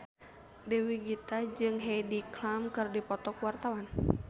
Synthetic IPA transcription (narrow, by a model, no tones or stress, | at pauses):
dɛwiɡit̪ad͡ʒɨŋɦediklamkɨrdipɔt̪ɔkwart̪awan